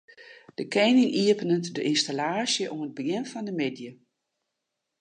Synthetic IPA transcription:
d̥əkʰɛjnɪŋʔiəpənəntdəʔinstalaːsjəʔoməd̚bəɡɪnfɔndəmedjə

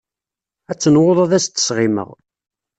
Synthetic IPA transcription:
æt͡sːənwoðˤæðæst̪ːə̥sʁɪmə̰ʁ

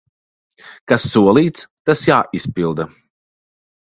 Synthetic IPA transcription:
kasːuɔlˠiːt̪st̪asjaːʔispilˠd̪a

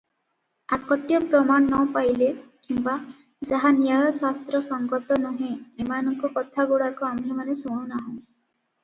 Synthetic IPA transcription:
akɔʈijɔpɾɔmanːɔwpajlekimba | d͡ʒaɦanijajɔsast̪ɾɔsɔŋɡɔt̪ɔnuɦẽemanɔŋkɔkɔt̪ʰaɡoɽakɔambʱjemanesoɽ̃ũnaɦɔ̃

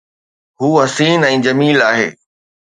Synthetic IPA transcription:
ɦuːɦɐsiːnɛ̃ːd͡ʑɐmiːlaːɦḛː

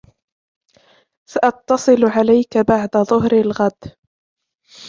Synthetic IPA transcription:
saʔɑt̪ːɑsˤɨlʕalajkabaʕd̪aðˤʊhɾɪlɣad̪

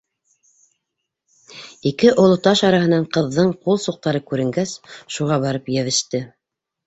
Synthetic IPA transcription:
ikɘʔŏlˠŏt̪ɑʃɑɾɑɦɤ̆nɑɴqɤ̆ðːɤɴqulˠsuq̚t̪ɑɾɤkʉɾɘ̆ŋɡæsʃuʁɑβɑɾɤpjæβɘ̆ʃt̪ɘ

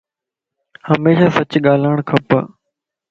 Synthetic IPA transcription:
həmeːʃaːsɐt͡ɕɠaːlaɪɳ̃kʰɐpə̰

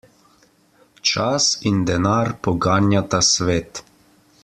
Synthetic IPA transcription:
t͡ʃasind̪ɛnaːɾpɔɡaːnjat̪asʋeːt̪

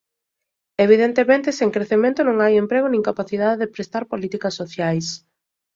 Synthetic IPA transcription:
eβiðent̪emẽnt̪ɪsẽŋkɾeθemẽnt̪ʊnõŋajempɾeɣonĩŋkapaθið̞aðeðɪpɾest̪aɾpolit̪ikɐsːoθjajs

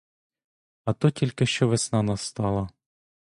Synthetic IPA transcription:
ɐt̪ɔtʲilʲkɪʃt͡ʃɔʋɪsnɑnɐst̪ɑlˠɐ

